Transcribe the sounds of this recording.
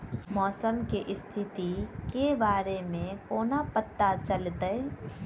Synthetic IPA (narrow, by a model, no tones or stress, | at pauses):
mɔːsəmkeʔɪst̪ʰɪt̪ikebaːɾemẽkoːnapət̪ːat͡ʃəlt̪əe